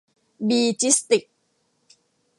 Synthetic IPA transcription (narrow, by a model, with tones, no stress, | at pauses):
biː˨t͡ʃi˦st̪ɪ˨k̚